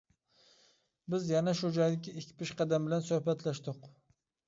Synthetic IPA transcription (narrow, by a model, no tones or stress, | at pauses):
bɪzjanaʃʊd͡ʒɒjlɪkʲːɪɪkʲʰːpɪʃqɑd̪ambɪlansɵhbat̪laʃd̪ɪq